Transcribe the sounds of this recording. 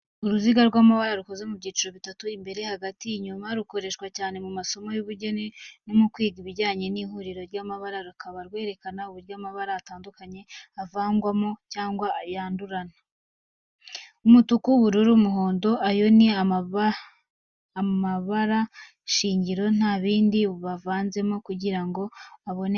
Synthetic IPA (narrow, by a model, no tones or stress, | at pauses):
uɾuziɡaɾɡwaːmaβaɾaɾukoze̞mubɟiːt͡ʃiɾo̞βitatuimbe̞ɾe̞haɡatiɲumaɾuko̞ɾe̞ʃkwacaːne̞mumaso̞mojuβuɾɟonenomukwiːɡiβiɾɟaːɲe̞nihuɾiɾo̞ɾjaːmaβaɾaɾukaβaɾɡwe̞ːɾe̞kanauβuɾjaːmaβaɾaːtaːndukaɲe̞avaːŋɡwamocaːŋɡwajaːnduɾana | umutukuβuɾuɾumuɦo̞ːndo̞ʔajo̞nia | maβaɾa | ʃiːɲɟiɾo̞n̥haːβiːndiβavaːnze̞mokuɟiɾaŋɡo̞aβo̞ne